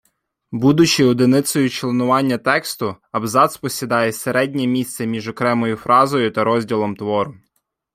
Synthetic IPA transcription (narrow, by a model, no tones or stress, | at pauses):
bud̪ʊt͡ʃiɔd̪ɪnɪt̪sɔjʊt͡ʃlˠenʊʋɑnʲːɐt̪ɛkst̪ʊ | ɐbzɑt̪spɔsʲid̪ɑjɛseɾɛdʲnʲɛmʲist̪sɛmʲiʒɔkɾɛmɔjʊfɾɑzɔjʊt̪ɐɾɔzʲdʲilˠɔmt̪ʋɔɾʊ